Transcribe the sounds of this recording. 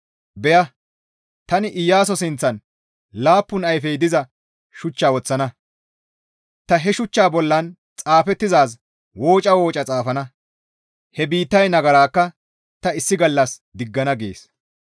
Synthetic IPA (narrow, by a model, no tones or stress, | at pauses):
bɛjɐ | t̪ɐnɪʔɪjːaːs̬ɔsɪnt͡sːɐn | laːpːʊnɐjfɛjd̪ɪzɐ | ʃʊt͡ʃːaːwɔt͡sːɐnɐ | t̪ɐɦɛʃʊt͡ʃːaːbɔlːɐn | t͡sʼaːfɛt̪ːɪzaːs | woːt͡ʃʼɐwoːt͡ʃʼɐt͡sʼaːfɐnɐ | hɛbiːt̪ːɐjnɐɡɐɾaːkːɐ | t̪ɐɪsːɪɡɐlːɐsd̪ɪɡːɐnɐɡḛːs